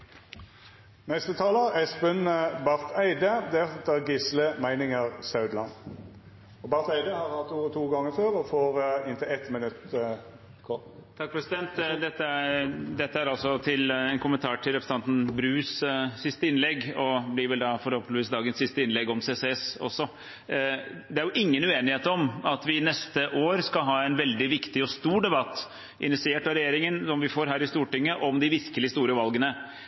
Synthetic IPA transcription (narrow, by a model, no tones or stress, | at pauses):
nɛst̪ət̪ʰɑːləɛsbənbɑʁt̪ʰæɪd̪əd̪ɛt̪ːəɡɪsləmæɪnɪŋəʁsɑʉd̪lɑn | ɔbɑʁt̪æɪd̪əhɑʁhɑt̪uːt̪ʰuːɡɑŋːəføːʁɔfoːʁɪnt̪ʰɪlɛt̪mɪnʉt̪ | kʰɔ | t̪ʰɑk̚ːpʰɾɛsɪd̪ɛnt̪d̪ɛt̪ːəæd̪ɛt̪ːəæɾɑlsɔt̪ʰɪlɛnkʰʊmənt̪ʰɑːʈʰɪlɾɛpɾsəɑnt̪n̩bɾʉːssɪst̪əɪnlɛɡɔblɪɾʋɛld̪ɑfɔɾhɔlpənʋiːsd̪ɑːɡənsɪst̪əɪnlɛɡɔmseːseɛsɔ̰sːɔ | d̪ɛæɾjʊʔɪŋːənʉeːnɪheːt̪ɔmɑt̪ʋɪnɛst̪əʔoːɾskɑɦɑːɛɪnʋɛld̪ɪʋɪkt̪ɪɔst̪uːɖɛbɑt̪ː | ʔɪ̰nɪt̪sɪeːʈɑʋɾɛjeːɾɪŋənsɔmʋɪfoːɾɦæːɾɪst̪uːʈɪŋːəʔɔmd̪ɪʋɪskəlɪst̪uːɾəʋɑlɡənə